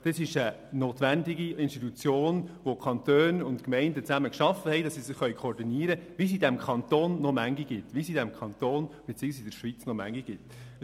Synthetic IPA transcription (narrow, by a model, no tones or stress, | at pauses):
d̥ɑsɪʃə | noːt̪ʋændɪɡiɪnʃtitut͡sjoːnʋokʰχɑnt̪øːnʊntkmɛɪndət͡sæməkʃɑfəhɛɪdɑsːisɪχχœʏkχɔːɾdiniːəɾəʋis̬idɛmkʰɑnt̪oːnːɔmæŋɡiɡ̥ɪtʋisidɛmkʰɑntoːnb̥ɛt͡siːəɡsidəɾʃʋit͡snɔmæ̰ŋɡiɡ̥ɪt